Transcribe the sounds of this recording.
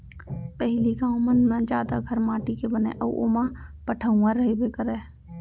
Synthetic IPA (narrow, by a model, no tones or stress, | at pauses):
pɛɦɪliɡãːw̃mənːãd͡ʒaːd̪aɡʱəɾmaːʈikebənḛ̃ʔəʔo̰ːmãpəʈʰəũãɾəɦebekəɾeː